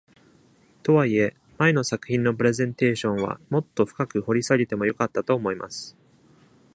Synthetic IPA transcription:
t̪o̞βaie̞ | mae̞nosakɯ̟çʲĩnːo̞p̬ɯɾe̞zẽ̞nt̪e̞ːɕõ̞ɰ̃βa̰mo̞t̪ːo̞ɸɯ̟̥kakɯ̟ho̞ɾʲisaɾʲit̪e̞mo̞jo̞kat̪ːat̪o̞ːmo̞ima̰sɨ̥

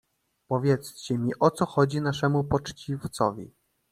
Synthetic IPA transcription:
pɔvʲjɛt̪st͡ɕɛmʲiʔɔt̪sɔxɔd͡ʑinaʂɛmupɔt͡ʂt͡ɕift̪sɔ̰vʲḭ

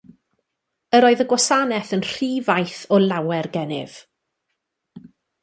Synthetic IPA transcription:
əɾoːɨðəɡwɔsanɛθənr̥iːvajθɔlˠawɛrɡɛnɪ̰v̥

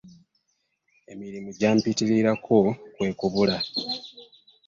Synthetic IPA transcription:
e̞miɾimuɟaːmpitiɾiɾakʰokwe̞ːkuβula

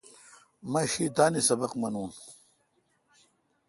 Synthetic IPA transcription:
mɐɕiːt̪aːnisɐbɐqmɐnuːn

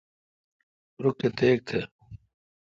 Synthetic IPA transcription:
ɾʊkːet̪eːk̚t̪ʰe

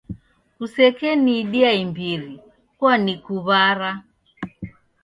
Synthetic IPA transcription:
usɛkɛniɗiaimbiɾi | kwanikuβaɾa

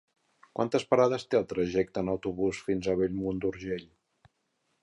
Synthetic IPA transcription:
kwant̪əspəɾaðəst̪eəlˠt̪ɾəʒɛk̚t̪ənəwt̪uβusfinzəβeʎmund̪uɾʒeʎ

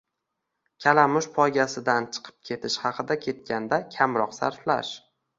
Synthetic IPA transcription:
kʲʰalamʊʃpʰɒjɡʲasɪd̪ant͡ʃʰɨ̥qʰɨ̥p̚kʲʰe̞t̪ʰɪʃhɑqʰɨd̪akʲʰe̞t̪̚kʲʰand̪akʲʰamɾɒqsa̰ɾfla̰ʃ

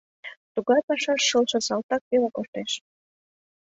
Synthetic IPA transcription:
t̪uɣɑjpɑʃɑʃːɤlt͡ʃə̆sɑlt̪ɑk̚pelɑkort̪eʃ

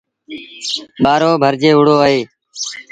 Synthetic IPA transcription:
ɓaːɾoːbʱəɾd͡ʒeːʊɽ̤oːəɦeː

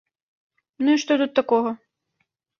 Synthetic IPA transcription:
nuiʂt̪ɔt̪ut̪ːakɔɣɐ

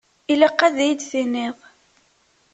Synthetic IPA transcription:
iləqːæðjid̪θinːɪðˤ

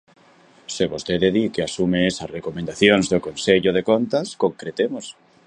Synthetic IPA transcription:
seβost̪eðeðikeasumeesasrekomẽnd̪aθjoŋzðokonseʎʊð̞ekont̪askõŋkɾet̪emos

